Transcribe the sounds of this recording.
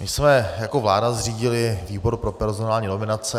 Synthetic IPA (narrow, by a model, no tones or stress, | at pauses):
mɪsmɛjako̞vlaːdazr̝iːɟɪlɪviːbo̞ɾpɾo̞pɛɾzonaːlɲiːno̞mɪnat͡sɛ